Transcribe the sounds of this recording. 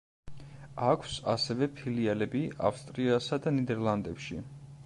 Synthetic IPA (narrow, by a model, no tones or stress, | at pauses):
akʰsasɛvɛpʰilialɛbia̰fst̪ʼɾiasad̪anid̪ɛɾlˠand̪ɛpʃi